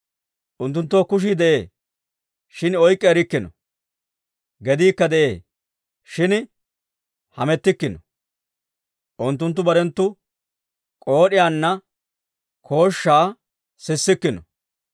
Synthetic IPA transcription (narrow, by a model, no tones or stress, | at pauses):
ʔʊnt̪ːʊnt̪ːoːkʊʃ̬id̪ɛʔeː | ʃɪnɔjkʼːɛːɾɪkːɪnɔ̰ | ɡɛd̪iːkːɐd̪ɛʔeː | ʃɪn | hɐmɛt̪ːɪkːɪnɔ | ʔʊnt̪ːʊnt̪ːʊbɐɾɛnt̪ːʊ | kʼo̞ːɗɪjaːnːɐ | kʰo̞ːʃːaː | sɪsːɪkːɪnɔ